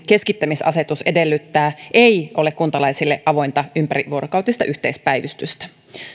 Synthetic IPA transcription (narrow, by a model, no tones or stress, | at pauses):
ke̞skit̪ːæmisɑ̰se̞t̪use̞de̞lːyt̪ːæːʔejʔo̞lekkunt̪ɑlɑjsilːeʔɑʋo̞jnt̪ɑympæɾiʋuoɾokɑwt̪ist̪ɑʔyht̪eispæjʋyst̪yst̪æ̥